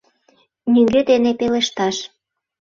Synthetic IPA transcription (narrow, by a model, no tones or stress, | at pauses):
nyŋɡød̪enepeleʃt̪ɑʃ